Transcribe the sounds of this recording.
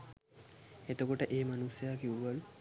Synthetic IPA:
et̪okoʈəʔeːmanusjaːkiwʋəlu

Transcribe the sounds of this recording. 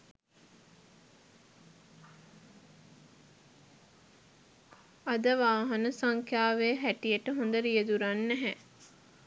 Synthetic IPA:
ad̪əʋaːɦɐnəsaŋkʰjaːʋeɦæʈijəʈəɦõnd̪əɾijəd̪uɾanːæɦɛ

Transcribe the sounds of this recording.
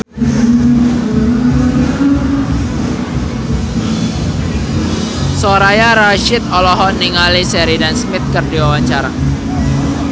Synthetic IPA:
soɾajaɾaʃɪt̪̚ɔlɔɦɔnːiŋalisɛɾidansmɪt̪̚kɨrdiwawaɲt͡ʃaɾa

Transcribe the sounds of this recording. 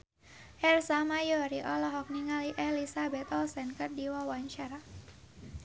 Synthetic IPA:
ʔɛrsamajɔɾiʔɔlɔɦɔk̚niŋaliʔɛlisabɛt̪ɔlsɛnkərdiwawaɲt͡ʃaɾa

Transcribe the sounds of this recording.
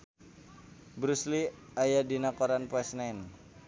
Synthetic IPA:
bɾusliajadinakoɾanpɛsnan

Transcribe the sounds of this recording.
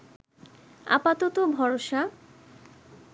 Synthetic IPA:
a̰pat̪ot̪obʱɔɾoʃa

